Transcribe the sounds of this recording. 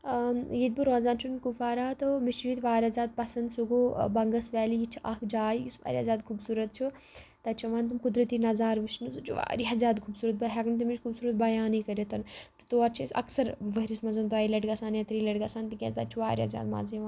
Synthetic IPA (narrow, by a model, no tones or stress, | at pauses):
jid̪̚bɨɾoːnzaːnt͡ʃʰunkufaːɾaːt̪ɨmit͡ʃʰjit̪ʋaːɾʲazʲaːd̪̚pɐsɐnd̪suɡubɐŋɡɐsʋɛːliit͡ʃʰʔɐkd͡ʒaːjjisʋa̰ːɾʲiɐzʲaːd̪̚kʰubsuːɾɐt̪̚t͡ʃʰu | t̪ɐt͡ʃʰuʋaːnt̪umkud̪ɾɐt̪iːnɐzaːɾʋɨʃnɨsut͡ʃʰuʋa̰ːɾiɦɐzʲaːd̪kʰubsuːɾɐt̪̚bɐɦɛɡnt̪̬imit͡ʃʲkʰubsuːɾɐt̪̚bɐjaːnikɐɾet̪ɐnt̪ɨ̥t̪oːɐɾt͡ʃʰisɐ̰ksɐɾʋəɦɾismɐzɐnt̪uaːilɐʈɡasaːnjat̪ɾiːlɐʈɡasaːnt̪ikʲɛ̰st̪ɐt͡ʃʰuʋaːɾʲɐzʲa̰ːd̪ma̰ːziʋaː